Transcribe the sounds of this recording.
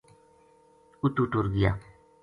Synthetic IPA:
ut̪uʈuɾɡɪja̰ː

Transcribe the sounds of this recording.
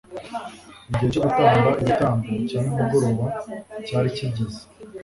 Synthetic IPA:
iɟiheco̞ɡutaːŋɡuɾaʔiβutaːŋɡocaːnumuɡo̞ɾo̞ːβacaːɾicibɟizi̥

